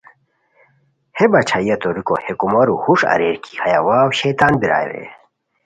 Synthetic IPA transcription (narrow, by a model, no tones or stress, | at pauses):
hebɐt͡ɕʰaijɐt̪oɾiko̰hekumɐɾuhuʂɐ̰ɾeːɾkʰi̥hɐjawaːwɕet̪aːnbiɾa̰ːj̰ɾḛ